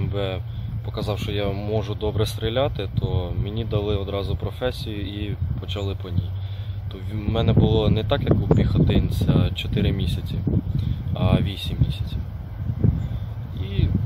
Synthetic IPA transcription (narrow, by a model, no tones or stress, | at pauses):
mbɛpɔkɐzɑwʃt͡ʃɔjɑmɔʒʊd̪ɔbɾɛst̪ɾʲilʲɑt̪ɪt̪ʰɔmɪnʲid̪ɐlˠɪɔd̪ɾɑzʊpɾɔfɛsʲijʊipɔt͡ʃɐlˠɪpɔnʲij | t̪ɔʋmɛnɛbʊlˠɔnɛt̪ɑkjɐkupʲixɔt̪ɪnʲt͡sʲɐt͡ʃɔt̪ɪɾɪmʲisʲɐt͡sʲi | ɐʋʲisʲimːʲisʲɐ̥t͡sʲi | i